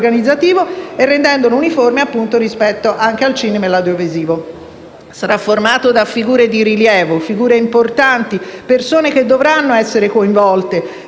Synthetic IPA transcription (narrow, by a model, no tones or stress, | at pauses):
ɡanid̪zːat̪iːvoerːend̪ɛnd̪olouniformeapːunt̪oɾispɛt̪ːoʔaŋk̟ealt͡ʃiːnemelad̪joviziːvo | saɾafːormaːt̪od̪afːiɡuːɾed̪iɾiljɛːvofiɡuːɾeimport̪ant̪ipersoːnek̟ed̪ːovɾanːoɛsːeɾekoiɱvɔlt̪e